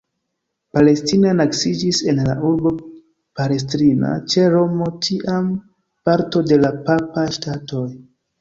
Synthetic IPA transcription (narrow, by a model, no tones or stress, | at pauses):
pale̞stinanaksid͡ʒise̞nlaʔuɾbo̞ | pale̞s̬tɾina̰t͡ʃeɾo̞mo̞tʰiʔam | paɾto̞de̞lapapaʃtato̞j